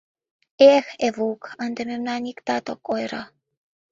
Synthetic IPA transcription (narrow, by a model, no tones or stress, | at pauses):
exevukand̪ememnanʲikt̪at̪okːojɾa